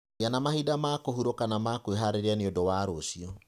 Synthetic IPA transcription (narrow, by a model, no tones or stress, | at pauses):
janamahidamakohuɾokanamakweɦaɾeɾeaneodowaːɾoːsiɔ